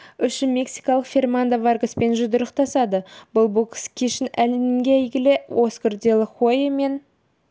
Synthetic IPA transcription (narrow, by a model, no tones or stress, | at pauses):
ʏʃɪme̞ksijkɑlˠəqfʲe̞rmand̪avarɡəspe̞nʒʊd̪əɾəqt̪ʰɑsɑd̪əbʊlˠbukskʲʰeʃɪnælɪnɪŋɡʲeæjɡʲɪleʔoskʊrd̪ʲelˠəχojeme̞n